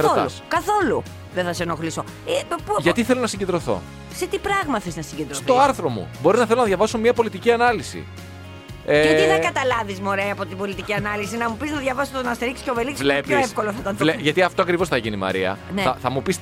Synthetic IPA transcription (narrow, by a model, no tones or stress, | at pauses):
ɾot̪ɐ̰uskɐθo̞lu | ðeθɐseno̞xliso̞ | epʝɐt̪iθelo̞nɐsiɲɟed̪ɾo̞θo̞̰ | set̪ipɾɐɣmɐθeznɐsiɲɟe̞nd̪ɾsotθo̞ɐɾθɾo̞mṵbo̞ɾinɐθelonɐðʝɐvɐsomɲɐpo̞lit̪iciɐnɐlisḭ | eɐiɐkɐt̪ɐlɐvizmoɾeɐːpo̞t̪ibo̞lit̪iciɐnɐlisinɐmupiznɐðʝɐvɐst̪onɐst̪eɾicsceoveliksvlepoefkoloθɐt̪ɐnðleʝɐt̪iɐft̪oɐkɾivo̞sθɐʝinimɐ̰ɾiɐ̰nneɐθɐmupis